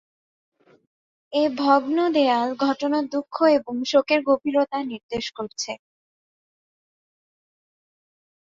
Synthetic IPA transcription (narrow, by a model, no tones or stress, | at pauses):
ebʱɔɡnod̪ealɡʱɔʈonaɾd̪ukʰːoeboŋʃokeɾɡobiɾot̪aniɾd̪eʃkoɾt͡ɕʰe